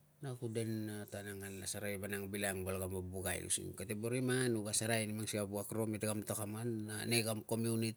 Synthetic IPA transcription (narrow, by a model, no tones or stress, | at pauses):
nakude̞natanaŋanlasaɾajbanaŋbilaŋbalɡambabuɡa̰j̰ṵsḭkateboɾimanuɡasaɾajnimaŋsiabuakɾometɡamtokamananeɡamko̞miunit